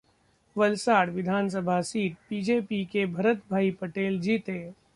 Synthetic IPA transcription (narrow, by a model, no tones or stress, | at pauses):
ʋɐlsaːɽʋɪd̪ʱaːns̬əbʱasiːʈ̪̚piːd͡ʒeːpikebʱɐɾət̪bʱaːipɐʈeːld͡ʒiːt̪eː